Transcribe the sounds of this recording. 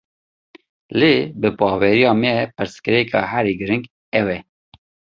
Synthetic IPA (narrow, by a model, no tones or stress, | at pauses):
leːbɨpɑːwɛɾijɑːmɛpɨɾskɨɾɛkʰɑ̰ɦæɾiːɡɨɾɨŋɡ | ɛwɛ